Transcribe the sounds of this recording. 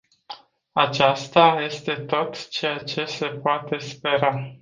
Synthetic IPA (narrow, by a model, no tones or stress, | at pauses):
at͡ʃast̪aje̞st̪e̞t̪o̞t̪t͡ʃe̞jat͡ʃe̞se̞poat̪e̞spe̞ɾa